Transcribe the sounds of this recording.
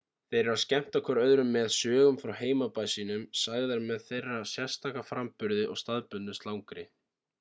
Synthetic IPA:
θejɾʏɾascɛm̥t̪akʰɔɾœðɾʏmːɛðsœːɣʏmfɾawheːjmapaːjsiːnʏmsaːjɣðaɾmɛðθejrːasjɛ̥st̪ʰaːkafɾampʏɾðɪʔɔ̰ɣst̪aðpʏnːʏst̪lawŋkɾɪ

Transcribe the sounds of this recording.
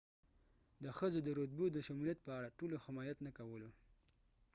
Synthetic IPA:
d̪əxəzod̪əɾod̪̚bud̪əʃamulijat̪̚pəaɽaʈolohɪmɑjat̪nakawəlo

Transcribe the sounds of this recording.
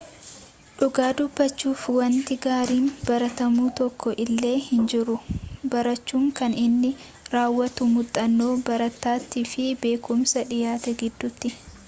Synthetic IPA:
ᶑʊɡaːd̪ʊbːɐt͡ʃːuːfwɐnt̪ɪɡaːɾiːnbɐɾɐt̪ɐmuːt̪ɔkːɔʔɪlːe̞ːhɪnd͡ʒɪɾʊbɐɾɐt͡ʃːuːŋkɐnɪnːɪ | ɾaːwːɐt̪ʊmʊt̪ʼːɐnːo̞ːbɐɾɐt̪ːaːt̪ːifɪbe̞ːkʊmsɐᶑɪjaːt̪ɛɡɪd̪ːʊt̪ːɪ

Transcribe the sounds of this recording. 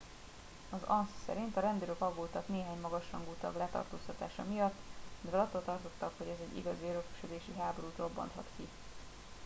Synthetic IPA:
ɒzɒnssɛ̰ɾint̪ɒɾɛnd̪iɾøkɒɡːoːt̪ɒkneːɦaːɲmɒɡɒʃhɒŋɡuːt̪ɒ̰blɛt̪ɒ̰rt̪oːst̪ɒt̪aːʃɒmijɒt̪ːminvɛlɒt̪ːolt̪ɒrt̪o̞t̪ːɒkho̞ɟɛzɛɟːḭɡɒziøɾøky̥ʃød̪eːʃiɦaːbo̞ɾuːt̪ro̞bːɒ̰nt̪hɒ̰t̪ki

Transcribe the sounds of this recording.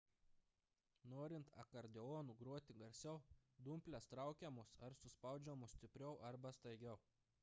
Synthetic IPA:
noːɾʲɪnt̪ɐ̰kɐɾʲd̪ʲɛoːnuːɡɾuɔt̪ʲɪɡɐɾʲsʲɛʊd̪ʊmʲpʲlʲɛst̪ɾɑˑʊkʲɛmoːsɐɾsʊspɐˑʊd͡ʒʲɛmusʲt̪ʲɪpʲɾʲɛʊʔɐɾbɐst̪ɐɪɡʲɛʊ

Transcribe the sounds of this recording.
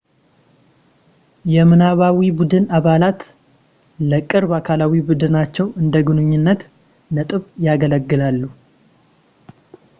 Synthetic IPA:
jɛmɨnaβawibud̪ɨnaβalat̪ | ləkʼːɨɾβakʰalawibud̪ɨnat͡ʃːɛwɨnd̪əɡɨnɨɲːɪnːət̪ | nət̪ʼɨβjaɡələɡːɨlalːu

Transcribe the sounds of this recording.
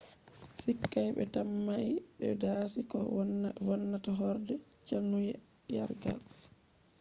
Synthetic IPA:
sikːajɓɛ̰tamːaʔiɗɛdaːsikɔwanːataɦɔɾdɛt͡ʃanːujɛ | ja̰ɾɡa̰l

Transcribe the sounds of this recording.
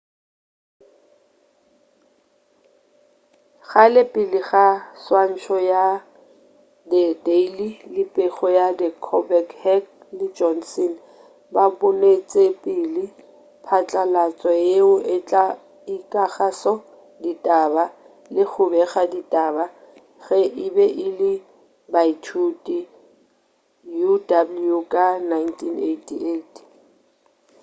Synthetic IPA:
χalɪpʼɪlɪχaswan̩t͡ʃʰɔja | dɪdeililɪpʼeχɔjadɪkʰɔbɛkhɛk | lɪd͡ʒɔnsɛn | bapʊnet͡sʼepʼɪlɪ | pʰat͡ɬʼalat͡sʼɔjeʊʔɪt͡ɬʼa | ikʼaχasɔ | ditʼaba | lɪk͡xʰʊbɛɣaditʼaba | ɣɛʔɪbɛʔɪlɪ | baitʰutʼi | judablukʼanantʰinetʰietʰ

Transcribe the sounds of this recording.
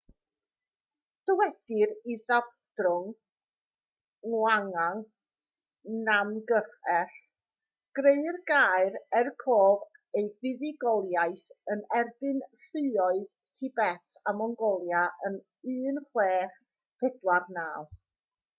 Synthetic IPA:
d̥ɔwɛd̥ɪɾiðab | drʊŋ | ŋwaŋaŋ | namɡəχɛɬ | ɡ̥reɨrɡaːɨrɛrkʰoːv | ejvɪðɪɡɔlˠjaɨθənɛrbɨnɬɪɔɨð | tʰɪbɛtʰamɔŋɡɔlˠjaʔən | ɨːnχweːχ | pʰɛdwarnaːlˠ

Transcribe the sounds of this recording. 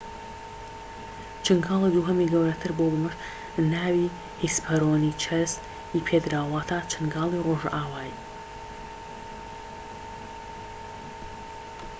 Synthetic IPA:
t͡ʃʰɨŋɡaːlˠid̪uɦɐmiɡɐwɾɐt̪ʰɨɾbobɨmɨʃ | naːwi | hispʰɐɾoːnit͡ʃʰɐs | ipʰed̪ɾawwaːt̪ʰaːt͡ʃʰɨnɡaːlˠiroːʒ̰ʔaːwaːj

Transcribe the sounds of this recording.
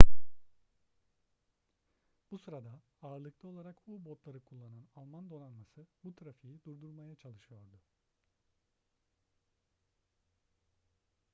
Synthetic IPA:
b̥usɯɾad̪a | aːɾlˠɯklˠao̞lˠaɾakbubot̪lˠaɾɯkʰulˠːananalˠmand̪o̞nanmasɯbut̪ʰɾafijid̪uɾd̪uɾmajat͡ʃʰalˠɯʃɯjo̞ɾd̪ʊ

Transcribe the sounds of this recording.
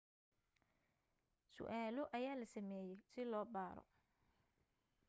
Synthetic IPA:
sʊ̰ʔaːlɔʔɐjaːlɐsɐmɛːjɛjsɪlɔːbaːɾɔ̰

